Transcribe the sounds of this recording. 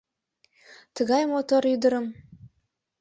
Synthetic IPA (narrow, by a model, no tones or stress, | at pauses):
t̪ə̆ɡɑjmot̪oɾyd̪ə̆ɾɤ̆m